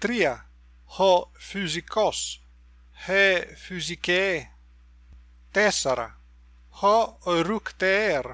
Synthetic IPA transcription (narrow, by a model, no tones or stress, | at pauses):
t̪ɾia | hɔfyzikɔs | hefyzike | t̪esaɾa̰ | hɔɔɾukt̪eɾ